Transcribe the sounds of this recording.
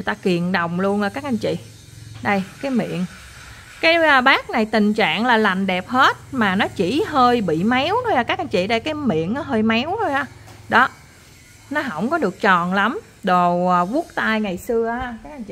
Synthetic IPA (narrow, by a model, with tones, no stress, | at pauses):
jt̪aː˧ki˨˩ənɗə˨˩wŋ͡mlu˧ənʔəː˨˩kaː˦˥k̚ʔa˧jnt͡ɕḭ˧˨ | ɗə˧jkaː˨˦jmḭ˧˨ən | kaː˨˦jə˧ɓaː˦˥k̚na˨˩jt̪ï˨˩ŋ̟t͡ɕa̰ː˧˨ŋlaː˨˩la˨˩jŋ̟ɗɛ˨˩p̚he˦˥t̚maː˨˩nɔ˨˦t͡ɕḭ˧˥ɦəː˧jɓḭ˧˨ma˨˦wt̪ʰo˧jhaː˨˩kaː˦˥k̚ʔa˧nt͡ɕḭ˧˨ɗə˧jkaː˨˦jmḭ˧˨ənʔə˨˦ɦəː˧jma˨˦wt̪ʰo˧jhaː˧˩ɗɔ˨˦ | nɔ˨˦ɦə̰˧˩wŋ͡mkɔ˨˦ɗɨ˨˩ək̚t͡ɕɔ˨˩nla˨˦m | ɗo˨˩wəː˨˩vu˦˥ək̚t̪aː˧jŋa˨˩jsɨ˧əaː˧kaː˦˥k̚ʔa˧nt͡ɕḭ˧˨